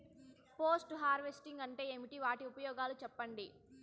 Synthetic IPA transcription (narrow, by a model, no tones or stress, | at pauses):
poːsʈɦaːɾʋesʈiŋɡɐɳʈe̞ːemiʈiʋaːʈiupɐjɔːɡaːlut͡ʃɛpːɐɳɖi